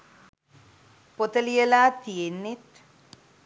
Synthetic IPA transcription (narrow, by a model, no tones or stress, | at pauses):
pot̪ɐlijɐlaːt̪ienːet̪